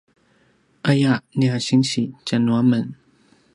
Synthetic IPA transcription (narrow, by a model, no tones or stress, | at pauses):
ʔajaʔniaɕiŋɕit͡ɕanuamən